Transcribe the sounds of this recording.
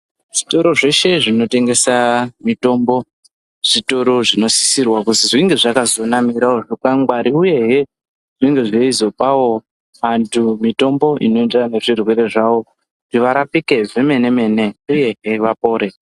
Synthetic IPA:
ʐ̥ito̞ɾo̞ʐe̞ʃe̞ʐino̞te̞ŋɡe̞samito̞mbo̞ | ʐ̥ito̞ɾo̞ʐino̞si̥sirwakuziʐiŋɡe̞ʐakazo̞namiɾaoʐokaŋɡwaɾiuje̞ɦe | ʐ̥iŋɡe̞ʐeizo̞pawo̞ | ʋantʰumito̞mbo̞ʔḭno̞endane̞ʐirwe̞ɾe̞ʐawo̞ | ʐ̥iʋaɾapike̞ve̞me̞ne̞me̞ːne̞uje̞ɦe̞ʋapo̞ːɾe̞

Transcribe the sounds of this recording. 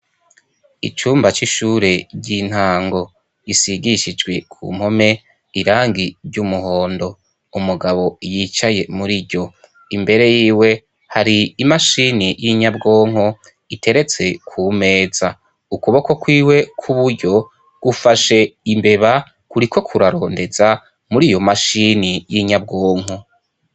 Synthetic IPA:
ḭt͡ʃuːmbat͡ʃiʃuɾe̞ɾɟin̥haːŋɡo̞ | isiɡiʃid͡ʒɡwe̞kʰṵːm̥ho̞me̞ | iɾaːŋɡiɾɟumuɦoːndo̞ | umuɡaβo̞jiːt͡ʃaje̞muɾiɟo̞ | imbe̞ɾe̞jiːwe̞ | haɾiːmaʃinijiɲabɡo̞ːŋ̥ho | itʰe̞ɾe̞t͡se̞kʰume̞ːza | ukuβoko̞kwiːwe̞kʰuβuɾɟo̞ | ɡ̥ufaʃe̞imbe̞βa | kuɾikʰo̞kʰuɾaɾo̞ːnde̞za | muɾijo̞maʃinijiɲab̚ɡoːŋ̥ɦo

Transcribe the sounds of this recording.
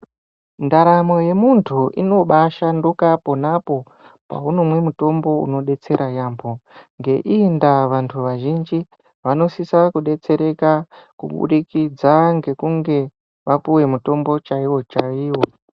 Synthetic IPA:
ndaɾamo̞je̞muntʰuʔḭno̞ɓaʃandukapo̞napo̞ | pa̰uno̞mwe̞muto̞mbo̞ṵno̞ɗe̞t͡se̞ɾajaːmbʰo̞ŋɡe̞ʔindaʋantʰuʋaʒind͡ʒi | ʋano̞sisakuɗe̞t͡se̞ɾe̞kakṵɓṵɗikid͡zaŋɡe̞kuŋɡe̞ | ʋapuwe̞muto̞mbo̞t͡ʃaiwo̞t͡ʃaiːwo̞

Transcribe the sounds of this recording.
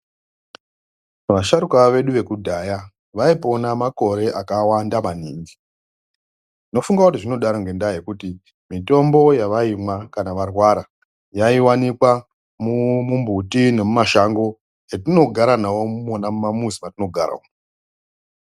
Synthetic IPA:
ʋaʃaɾukaʋe̞ɗuʋe̞kudʱaja | ʋaipo̞namako̞ɾe̞ʔakawandamaniːŋɡi | tino̞fuŋɡakutiʐino̞ɗaɾoŋɡe̞ndaje̞kuti | mito̞mbo̞jaʋaimwakanaʋarwaɾa | jaiwanikwa | mumumbʱutine̞mumaʃaŋɡo̞ | etino̞ɡʱaɾanawo̞mumonamumamuzimatino̞ɡʱaɾa̰o

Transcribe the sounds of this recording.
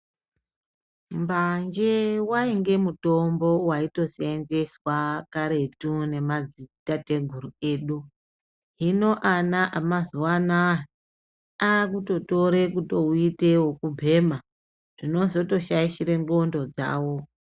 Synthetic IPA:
mband͡ʒewaiŋɡe̞muto̞mbo̞waito̞senze̞swakaɾe̞tune̞mad͡zitate̞ɡʱuɾue̞ːɗu | ɦino̞ʔanaʔamazuwana | ak̬uto̞to̞ɾe̞kutouitewokubʱe̞ːma | ʐ̥ino̞zo̞to̞ʃaiʃiɾeŋɡo̞ndo̞d͡za̰ːwo̞

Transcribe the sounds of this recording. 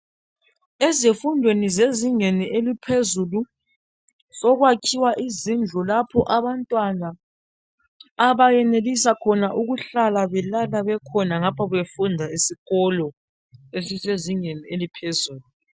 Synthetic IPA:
ezefundʱwenizeziŋenielipʰezulu | sɔɣwakʰiwaʔizind͡ɮʱɔlapʰɔʔaβantʼwana | βajɛnelisakʰɔnaʔuɣuɬalaβɛlalaβɛkʰɔnaŋapʰɔɣefundʱaisiɣɔlɔ | esiseziŋenielipʰezuːlu

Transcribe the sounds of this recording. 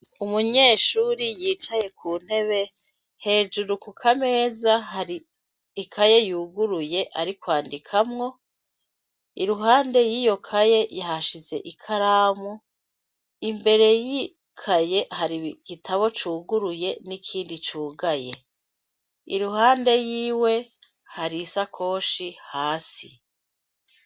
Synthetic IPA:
umuɲe̞ːʃuːɾijiːt͡ʃaje̞kʰuːn̥he̞βe̞ | he̞ːd͡ʒuɾukukʰame̞ːzahaɾiː | kʰaje̞juːɡuɾuje̞ʔaɾikwaːndikʰamŋo̞ | iɾuɦaːnde̞jiːjo̞kʰaje̞jaɦaʃize̞̰ʔikʰaɾaːmu | imbe̞ɾe̞ji | kʰaje̞haɾiɡ̥itʰaβo̞t͡ʃuːɡuɾuje̞nikʰiːndit͡ʃuːɡaje̞ | ḭɾuɦaːnde̞jiːwe̞ | haɾisakʰo̞ːʃihaːsi

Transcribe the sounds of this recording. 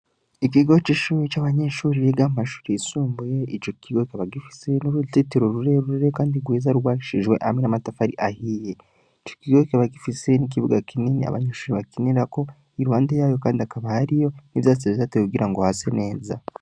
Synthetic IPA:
ik̬iɡot͡ʃiʃuɾit͡ʃaβaɲeːʃuɾijeɡamaʃu̥ɾiisuːmbuje̞it͡ʃokiɡokeβaɡifi̥siɾenoɾutitiɾoɾuɾeɾuɾeɾekaːndiɡwiːzaɾuɡwaːiʃiʒwe̞ʔamenamatafaɾiʔahije | it͡ʃokiɡokeβaɡifisiɾenik̬iβuɡakʰininḭa̰βa̰ɲeʃuːɾiβakiniɾako̞ | iɾuwaːndejaːjo̞kaːndiakaβahaɾijo̞niβjaːt͡siβitateuɡiɾaŋɡohase̞ne̞ːza

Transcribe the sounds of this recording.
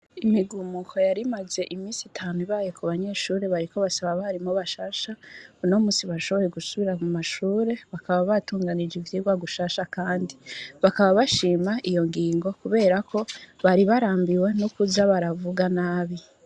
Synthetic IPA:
imiɡumukʰo̞jaɾimaze̞ʔimiːsitʰaːnuiβaːjokʰuβaɲe̞ʃuːɾe̞βaɾiko̞βasaβaβaɾimoβaʃaːʃauno̞muːsiβaʃo̞βo̞je̞ɡusuβiɾamumaʃuːɾe̞βakaβaβatuːŋɡanid͡ʒivitiɡwaɡuʃaːʃakaːndiβakaβaβaʃiːmaʔijo̞ŋɡiːŋɡo̞kuβe̞ːɾakʰo̞βaɾiβaɾaːmbiwe̞nukuzaβaɾavuɡanaːβi

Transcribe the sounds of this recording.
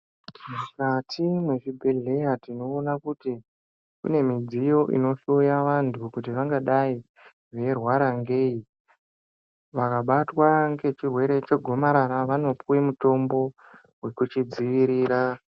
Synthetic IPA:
mukatʰimwe̞ʐibʱeɮe̞jatino̞ːnakuti | kṵne̞mid͡zijo̞ʔḭno̞ʃujaʋantʰukut̬iʋaŋɡaɗai | ʋe̞rwaɾaŋɡe̞i | ʋakaɓatwaŋɡe̞t͡ʃirwe̞ɾe̞t͡ʃe̞ɡʱo̞maɾaɾaʋano̞puwemuto̞mbo̞ | we̞kut͡ʃid͡ziʋiɾiːɾa

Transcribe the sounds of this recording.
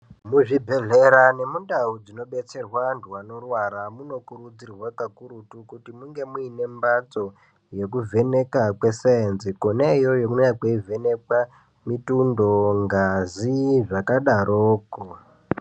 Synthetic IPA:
muʐibʱe̞ɮe̞ɾane̞mundaud͡zino̞ɓe̞t͡se̞rwandʱuwano̞rwaɾamuno̞kurud͡zirwakakuɾutukutimuŋɡe̞muine̞mbat͡so̞ | je̞k̬uvʱe̞ne̞kakwe̞seenzikonaijo̞jokunojakweivʱe̞ne̞kwa | mitundo̞ŋɡaziʐakaɗaɾʔoːko

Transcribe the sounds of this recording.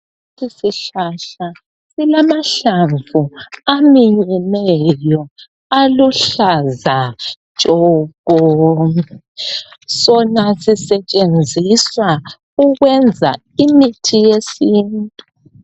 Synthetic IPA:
sisiɬaɬa | silamaɬaɱvuamiɲɛnɛjɔ | aluɬazḁ | t͡ʃʼɔɣɔ | sɔnasisɛt͡ʃʼend͡zʱiswa | uɣwɛnd͡zʱa̰ | imitʰijesiːntʼu

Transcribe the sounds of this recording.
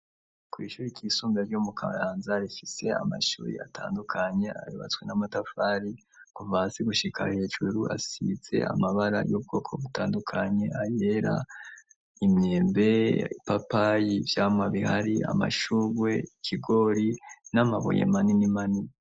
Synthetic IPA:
kwiːʃuɾikʰiːsuːmbaɾjumukʰa̰jaːnzaɾifise̞a̰ma̰ʃṵːɾḭa̰tʰa̰ːndukʰaɲe̞a̰juβa̰t͡swe̞namatafaɾi | kuvasiɡuʃikʰahe̞ːʒuɾua̰sḭze̞̰ʔa̰maβaɾa̰job̚ɡo̞ːkʰo̞βutaːndukʰaɲe̞ʔaje̞ɾa | imjeːmbe̞ipapajivjaːmŋaβihaɾia̰ma̰ʃuβwe̞ikʰiɡo̞ɾinamaβo̰jḛmaninimani

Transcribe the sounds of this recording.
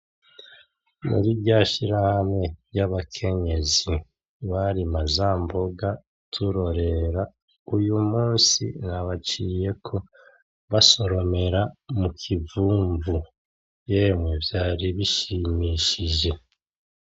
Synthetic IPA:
mṵɾibɟaʃiɾahame̞jaβakʰe̞ɲe̞zi | βaɾimazaːmbo̞ɡa | tʰuɾo̞ɾe̞ɾa | ujumuːnsḭnaβat͡ʃiːje̞kʰo̞ | βaso̞ɾo̞me̞ɾamukʰivuːɱvu | jeːmwevjaːɾiβiʃimiːʃiʒe̞

